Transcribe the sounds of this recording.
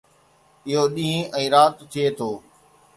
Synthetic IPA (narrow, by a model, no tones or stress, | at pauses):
ɪɦoɗĩːɛ̃ːɾaːt̪t̪ʰːiet̪ʰoː